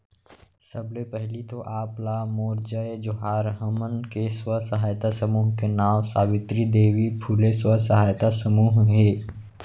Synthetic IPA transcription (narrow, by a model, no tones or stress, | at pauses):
səblepɛɦlit̪oʔaːplamoːɾd͡ʒaed͡ʒʊɦaːɾɦəmənkeswəsɐɦaːjt̪asəmuːɦkenaːwsaːʋɪt̪ɾid̪eːʋipʰuːleswəsəɦaːjt̪asəmuːɦɦeː